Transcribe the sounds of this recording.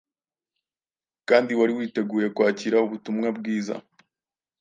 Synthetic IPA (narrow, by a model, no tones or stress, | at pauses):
kaːndiwaɾiwiːte̞ɡuːje̞kwaːciɾauβutumŋabɡiːza̰